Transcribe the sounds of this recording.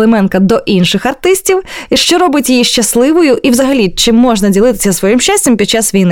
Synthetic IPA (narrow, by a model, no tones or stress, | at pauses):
lˠemɛnkɐd̪ɔʔinʃɪxɐrt̪ɪsʲtʲiwiʃt͡ʃɔɾɔbɪtʲjijiʃt͡ʃɐslˠɪʋʊjʊʔiwzɐɦɐlʲit͡ʃɪmːɔʒnɐdʲilˠɪt̪ɪ̥sʲɐsʋɔjimʃt͡ʃasʲtʲɐmpʲid̪̚t͡ʃasʋʲijnɪ